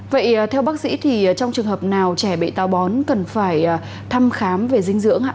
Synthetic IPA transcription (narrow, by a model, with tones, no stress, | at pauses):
və̰˧˨jt̪ʰɛ˧wɓaː˦˥k̚sḭ˧˥t̪ʰi˨˩˨t͡ɕɔ˧wŋ͡mt͡ɕɨ˨˩əŋhɦəː˨˩p̚naː˨˩wt͡ɕɛ˧˩ɓḛ˧˨t̪aː˨˧˩wɓɔ˨˦nkə˨˩nfaː˧˩j | t̪ʰa˧mxaː˨˦mve˨˩zï˧ŋ̟zɨ̰˧˥əŋʔa̰ː˧˥